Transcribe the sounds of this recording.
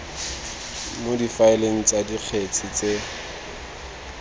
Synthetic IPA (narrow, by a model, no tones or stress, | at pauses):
modifaɪleŋ̩t͡sʼadiq͡χʰet͡sʰɪt͡se